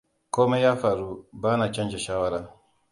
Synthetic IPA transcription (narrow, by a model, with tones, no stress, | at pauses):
koː˦me˦ja˦fa˨ɾu˦baː˦na˨t͡ʃɐ˦nd͡ʒɛ˨ʃaː˦wa˦ɾa˨